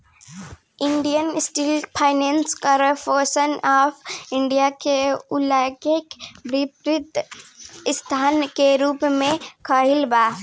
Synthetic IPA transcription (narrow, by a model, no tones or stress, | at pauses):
ɪɳɖijənsʈiːlpʰaːɪnẽːnskəɾəfoːsənaːfɪ̃ɳɖijakeʊlakekbɪpɾɪt̪ | ɪst̪ʰaːnkeɾuːpmẽkʰaːɦɪlbaː